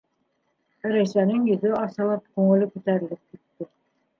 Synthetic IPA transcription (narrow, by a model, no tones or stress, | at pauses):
ɾæjsænɘŋjɵ̆ðɵɑsɑ̆lˠɑp̚kʉŋɘ̆lɘkʉt̪æɾɘ̆lɘp̚kit̪ːɘ